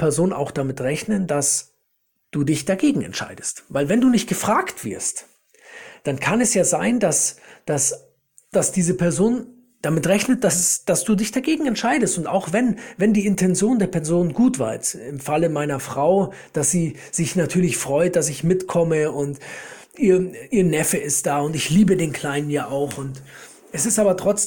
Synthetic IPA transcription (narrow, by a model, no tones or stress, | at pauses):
pʰɛɐzoːnna̰ʊxd̥amɪtʁɛçnəndas | d̥uːdɪçd̥aɡeːɡŋ̩ɛ̰ntʃa̰ɪdəstvaɪlvɛnduːnɪçt̚ɡ̥əfʁ̥aːktv̥ɪ̰ɐst | d̥ankʰanɛsjaːzaɪndasd̥as | d̥asd̥iːzəpʰɛɐzoːn | d̥amɪtʁɛçnət̚d̥asd̥asd̥uːdɪçd̥aɡeːɡŋ̩ɛntʃaɪdəstʊntaʊxv̥ɛnvɛndiːɪntʰɛnzjoːndeːɐpʰɛɐzoːnənɡuːtv̥a̰ɪtɪmfaləmaɪnɐfʁ̥aʊ | d̥asz̥iː | z̥ɪçnatʰyːɐlɪçfʁ̥ɔʏt̚d̥as̬ɪçmɪtkʰɔməʊnt | ʔiːɐʔiːɐnɛfəɪst̚d̥aːʊntɪçliːbədeːnkʰl̥aɪnənjaːʔaʊxʊnt | ʔɛsɪstʔaːbɐtʁ̥ɔt͡s